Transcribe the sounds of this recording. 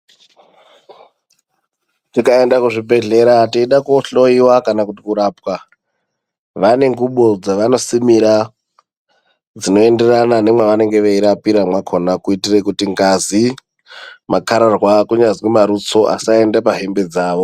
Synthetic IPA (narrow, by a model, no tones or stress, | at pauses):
tikae̞ndakuʐibʱe̞ɮe̞ɾatiiɗakoɬo̞iwakanakutikuɾapwa | ʋane̞ŋɡuɓo̞d͡zaʋano̞simiɾa | d͡zino̞e̞nde̞ranane̞mwaʋane̞ŋɡe̞ʋeiɾapiɾamwakʰo̞nakuitirekutiŋɡazi | makaɾarwakuɲazwimaɾut͡so̞ʔa̰sae̞ndapaɦe̞mbe̞d͡zaːʋo̞